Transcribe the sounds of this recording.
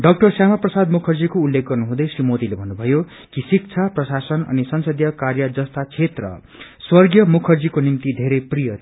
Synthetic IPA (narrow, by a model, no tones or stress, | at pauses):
ɖʌk̚ʈʌrsjamaprʌsad̪mukʰʌrd͡zikoulːek̚ɡʌrnuɦũd̪ʌjsrimod̪ilebʱʌnːubʱʌjo | kisik̚t͡sʰaprʌsasʌnʌ̰nisʌnsʌd̪jʌkarjʌd͡zʌst̪at͡sʰet̪rʌ̰ | swʌrɡjʌmukʰʌrd͡zikonint̪id̪ʱeɾejprijʌ